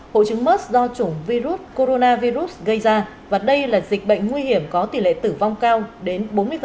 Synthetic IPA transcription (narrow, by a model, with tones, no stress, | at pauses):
ho̰˧˨jt͡ɕɨ˨˦ŋmə˦˥t̚zɔ˧t͡ɕʊ˧˩ŋ͡mvi˧zu˦˥t̚ko˧ɾo˧naː˧vi˧zu˦˥t̚ɣə˧jzaː˧ | vaː˨˩ɗə˧jlaː˨˩zi˨˩k̟̚ɓə̰˧˨jŋ̟ŋwi˧hi˧˩əmkɔ˨˦t̪i˨˩lḛ˧˨t̪ɨ˧˩va˧wŋ͡mkaː˧wɗe˨˦nɓo˨˦mɨ˧ə